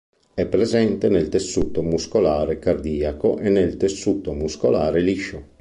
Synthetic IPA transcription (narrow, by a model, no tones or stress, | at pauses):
ɛpːɾezɛnt̪enelt̪esːuːt̪omuskolaːɾekard̪iːakoʔenːelt̪esːuːt̪omuskolaːɾeliʃo